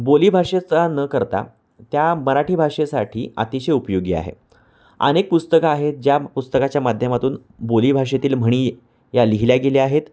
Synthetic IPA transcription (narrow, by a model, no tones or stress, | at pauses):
boliːbʱaʂet͡sanəkəɾt̪a̰ | t̪jaməɾaʈʰiːbʱaʂesaʈʰiːa̰t̪iɕeupjoɡia̰ɦḛ | ə̰nek̚pust̪əkaːɦet̪̚d͡ʑjapust̪əkat͡ɕjamad̪ʱjəmat̪uːn | bolibʱaʂ̬et̪iːlm̤əɽ̃iː | jaliɦiljaɡeleaɦet̪